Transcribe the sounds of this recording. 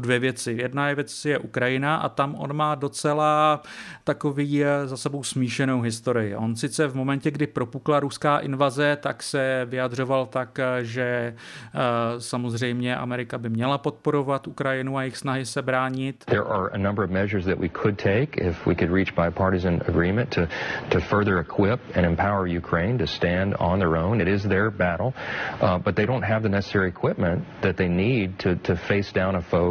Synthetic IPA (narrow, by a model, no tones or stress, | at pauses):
dvjɛvjɛt͡sɪjɛdnajɛvjɛt͡sjɛʔukɾajɪnaʔa̰t̪amʔo̞̰nmaːdo̞t͡sɛlaːt̪ako̞viːzasɛbo̞wsmiːʃɛno̞wɦɪst̪o̞ɾɪjɪʔo̞̰nsɪt͡sɛvmo̞mɛncɛɡdɪpɾo̞puklaɾuskaːʔɪnvazɛt̪aksɛvɪjadr̝o̞valt̪akʒɛ | samo̞zrɛjmɲɛʔa̰mɛɾɪkabɪmɲɛlapo̞t̪̚po̞ɾo̞vat̪ʔukɾajɪnuajɪxsnaɦɪsɛbɾaːɲɪt̪ðə˞ʔə˞ʔə̰nʌ̃mbə˞ʌvmɛʒə˞zðɨʔwikʰɨd̚tʰeɪkʰɪ̰fwḭkɨd̚ɹit͡ʃb̥aɪpʰɑɹɾɨzɨ̃nɨ̰ɡɹĩmɨ̃ntʰɨtʰɨfɜ˞ðə˞ɨkʰw̥ɪpɨ̃ɾ̃ɨ̃mpʰaʊə˞jʉkʰɹ̥ẽɪ̃ntɨstæ̃ndn̩ðə˞õʊ̃nɨɾɪzðə˞bæɾl̩ˠbʌt̪̚ðeɪɾõʊ̃nt̚ɦɨvðɨnɛsə̥sɛɹiɨkʰw̥ɪp̚mɨ̃nðɨt̪̚ðeɪnid̚tʰɨtʰɨfeɪsd̥ãʊ̃ñəfoʊ